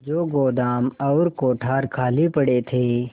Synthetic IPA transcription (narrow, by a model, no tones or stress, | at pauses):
d͡ʒoːɡoːd̪aːmɔːɾkoːʈʰaːɾkʰaːlipəɽet̪ʰeː